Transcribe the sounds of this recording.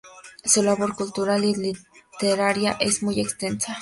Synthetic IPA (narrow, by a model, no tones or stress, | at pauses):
sulaβoɾkult̪uɾalilit̪eɾaɾjaʔesmujekst̪ensa